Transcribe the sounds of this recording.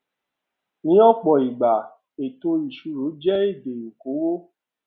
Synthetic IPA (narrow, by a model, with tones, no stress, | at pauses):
nĩ˨˦ɔ˦˨k͡pɔ˨i˨ɡ͡ba˨ | e˨to˧i˨ʃu˨˦ɾo˨˦d͡ʒɛ˦e˦˨de˨ji˨ko˨˦wo˦